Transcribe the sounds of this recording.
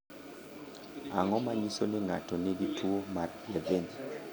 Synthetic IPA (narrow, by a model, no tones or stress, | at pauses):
aŋɔmaɲisonɪŋa̰tɔneɡitwomarjaveni